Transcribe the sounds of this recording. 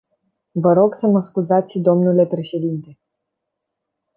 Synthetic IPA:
vəɾo̞ɡsəməskuzat̪sʲd̪o̞mnule̞pɾe̞ʃe̞d̪int̪e̞

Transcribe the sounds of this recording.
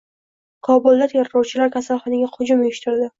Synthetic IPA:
kʰɒbʊlˠd̪at̪ʰeɾɾɒwt͡ʃʰɪlaɾkʲʰasalˠχɒnɪɡʲahʊd͡ʒʊmeɪʃt̪ʰɪɾd̪ɪ

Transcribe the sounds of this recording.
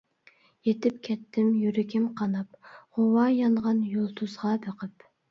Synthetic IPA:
jet̪ɪp̚kʲʰɛt̪ʰːɪmjyɾɪkʲɪmqʰɑnɑpʁowɑjɑɴʁɑnjolˠt̪ʰuzʁɑbeqʰəp

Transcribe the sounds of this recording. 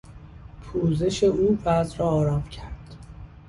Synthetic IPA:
pʰuːze̞ʃe̞uːvæzɾɒːɾɒːmcʰæɾd̪̥

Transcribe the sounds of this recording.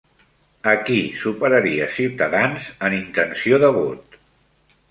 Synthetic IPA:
əkisupəɾəɾiəsiwt̪əðanzənint̪ənsioðəβot̪

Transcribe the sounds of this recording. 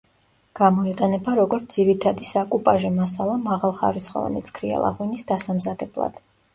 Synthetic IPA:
ɡ̥amɔiqʼɛnɛbaɾɔɡɔɾt̪d̪ziɾit̪ʰad̪isakʼupʼaʒɛmasalˠamaʁalˠχa̰ɾisχɔ̰va̰nɛ̰t̪sʰkʰɾia̰lˠa̰ʁwinisd̪asamzad̪ɛblˠa̰d̪̥

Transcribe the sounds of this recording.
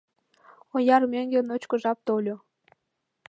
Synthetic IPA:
ojɑrmʲeŋɡʲĕnot͡ɕkŏʒɑp̚t̪olʲo

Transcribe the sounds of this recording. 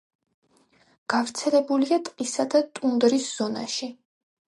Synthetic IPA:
ɡ̥avɾt̪sʰɛlɛbuliat̪ʼqʼisad̪at̪ʼund̪ɾisz̥ɔna̰ʃi

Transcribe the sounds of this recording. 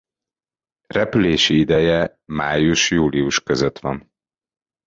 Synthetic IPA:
rɛpyleːʃiid̪ɛjɛ | maːjuʃjuːliuʃkøzøt̪ʋɒn

